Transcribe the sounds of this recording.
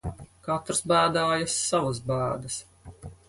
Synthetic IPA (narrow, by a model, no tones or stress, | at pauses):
kat̪ɾsbæːd̪aːjasːavus̬bæːd̪ɐs